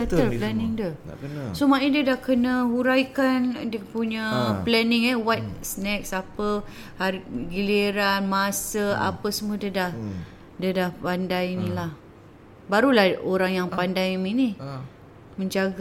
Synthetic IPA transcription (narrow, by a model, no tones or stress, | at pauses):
at̪əplɛnɪŋdəsomaʔidiədahkənəhuɾajkandəpuɲaplɛnɪŋəwajt̪̚snɛk̚sapə | haɾiɡileɾanmasəa̰pəsəmədədah | dədahpandajinilah | baɾulahoɾaŋjaŋpandajmini | mə̃ɲd͡ʒaɡa